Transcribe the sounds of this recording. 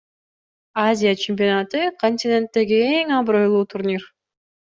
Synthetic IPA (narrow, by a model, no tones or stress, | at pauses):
azʲijat͡ʃʰemʲp̬ʲionat̪ɯkʰo̞nʲt̪ʲɪnʲe̞nt̪ːe̞ɡie̞ŋɑbɾo̞jlˠuːt̪ʰurnʲir